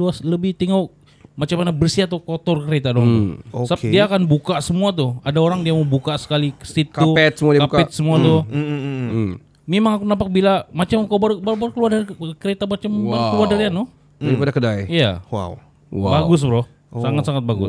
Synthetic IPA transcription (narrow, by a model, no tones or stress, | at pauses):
luasləbɪht̪iŋa | mat͡ʃamanabərsiat̪akot̪ɔrkəɾet̪adɔŋt̪ʊ̰ossəapdiaːkanbukasəmuat̪̬ʊadaoɾaŋdiaməbukasə̥kalikə̥sit̪kːuɛt̪səmuakakɛt̪̚səmuat̪ʊ | memaŋakunapak̚bilamat͡ʃamkabaɾbaɾubarukəluardarkəɾet̪amat͡ʃamaəluardaɾianʊ | aɾipadakədajia̰wa̰w | wabaɡʊs̬bɾɔh | saŋat̪saŋat̪̚baɡʊ̰s